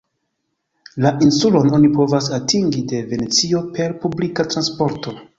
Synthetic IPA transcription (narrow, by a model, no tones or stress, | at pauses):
laʔinsulo̞no̞nipo̞vasatʰiŋɡide̞ve̞ne̞t͡sio̞pe̞ɾpublikatɾanspo̞ɾto̞